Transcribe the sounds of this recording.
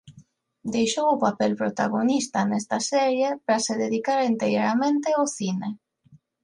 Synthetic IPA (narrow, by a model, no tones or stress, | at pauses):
d̪ejʃowʊpapɛlpɾot̪a̰ɣonist̪anɛst̪asɛɾjepɾaseðeðikaɾint̪eɾjoɾamẽnt̪eoθine